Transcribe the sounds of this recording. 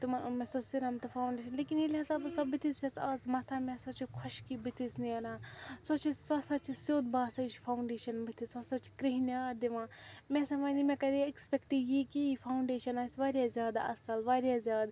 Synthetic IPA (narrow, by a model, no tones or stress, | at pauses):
t̪umɐmẽsosiɾɐmt̪ɨfʰaːwɳɖeːʃɐnleːkinilʲɐsɐbsɐbːit̪ʰist͡ʃɐt͡saːzmɐt̪ʰamẽsɐt͡ʃikʰʊʃkibit̪ʰisniɐnaːsɐt͡ʃʰisɐsʰɐt͡ʃʰisjoːd̪baːsɐt͡ʃʰpʰawɳɖeːʃɐnbit̪ʰisɐsɐt͡ʃi̥kɾiɦnjaːd̪iʋãmẽsɐmɐnimẽkɐd̪iekspekʈijikiifʰaːuɳɖeːʃɐnaːsʲʋaːɾʲjazʲjaːd̪a̰ʔɐsɐlʋaɾijazjaːd̪